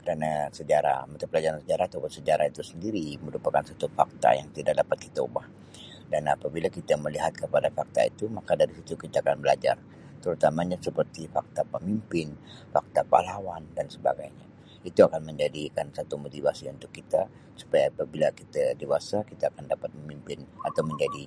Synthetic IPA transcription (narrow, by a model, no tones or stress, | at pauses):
kəɾanasəd͡ʒaɾa̰mt̪apəlad͡ʒaɾansəd͡ʒaɾaht̪ubət̪səd͡ʒaɾait̪usəndiɾiməɾupakansat̪ufak̚t̪a̰jaŋt̪idak̚dapat̪̚kit̪aubah | danapabilakit̪aməliɦat̪̚kəpadafak̚t̪a̰ḭt̪umakadaɾisit̪ukit̪aːkanbəlad͡ʒa̰r | t̪əɾut̪amaɲasəpərt̪ifak̚t̪apəmimpɪnfa̰k̚t̪apa̰lawandansəba̰ɡajɲa | it̪uakanməɲd͡ʒadikansat̪umot̪ivasiunt̪ʊkːit̪a | su̥pajaːpabilakit̪adewasakit̪aːkandapat̪̚məmimpɪnat̪awməɲd͡ʒadi